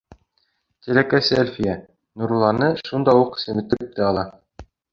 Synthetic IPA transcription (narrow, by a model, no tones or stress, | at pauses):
t̪ʲilækæseælʲfʲijæ | nuɾlˠɑnɤʃund̪ɑuqsɘ̆mɘ̆t̪ːɘ̆ɘ̆p̚t̪ɘɑlˠɑ